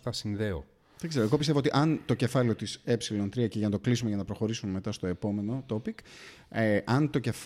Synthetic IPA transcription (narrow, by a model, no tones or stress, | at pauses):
θɐsinðeo̰ | ðɐkse̞ɾoeɣo̞pist̪eot̪iʔɐnt̪o̞ce̞fɐleo̞t̪ise̞psilo̞nt̪ɾiɐceʝɐnɐt̪oklisume̞ʝɐnɐpɾo̞xo̞ɾisumme̞t̪ɐst̪o̞e̞po̞me̞no̞t̪o̞pik | ʔɐnt̪o̞ce̞f